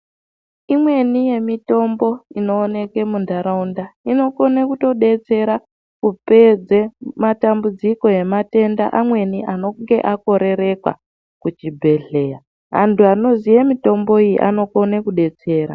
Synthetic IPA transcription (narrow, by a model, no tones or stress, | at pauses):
imwe̞nije̞mito̞mbo̞ino̞ːne̞ke̞mundaɾaundaino̞ko̞nekuto̞ɗe̞t͡se̞ɾa | kupe̞d͡ze̞matambud͡ziko̞je̞mate̞nda̰ʔamwe̞niʔano̞ŋɡe̞ʔako̞ɾe̞ɾe̞kwa̰ | kut͡ʃibʱe̞ɮe̞ːja | ɦa̰ntʰuano̞zijemito̞mbo̞ijḭʔa̰no̞ko̞nekuɗe̞t͡se̞ːɾa̰